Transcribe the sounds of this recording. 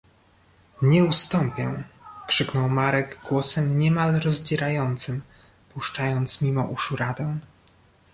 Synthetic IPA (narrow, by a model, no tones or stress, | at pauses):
ɲɛust̪ɔmpʲjɛkʂɘknɔwmaɾɛɡɡwɔsɛmɲɛmalɾɔzd͡ʑɛɾajɔnt̪sɘm | puʂt͡ʂajɔnt̪smʲimɔʔuʂuɾad̪ɛ̃